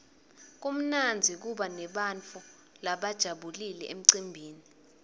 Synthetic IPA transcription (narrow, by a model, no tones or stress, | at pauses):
k̬um̩nand͡zʱik̬uɓanɛɓant͡fʰʼu | laɓad̥ʒ̥ʱaɓulilɛem̩ǀimbʱiːni